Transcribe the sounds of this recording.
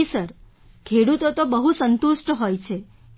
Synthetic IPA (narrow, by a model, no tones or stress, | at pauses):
isəɾ | kʰeɽut̪ot̪obəɦusənt̪uʃʈɦojt͡ʃʰe